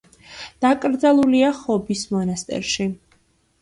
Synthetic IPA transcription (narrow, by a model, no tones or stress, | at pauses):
d̪̥akʼɾd̪zalˠuliaχɔbismɔnast̪ʼɛ̰ɾʃi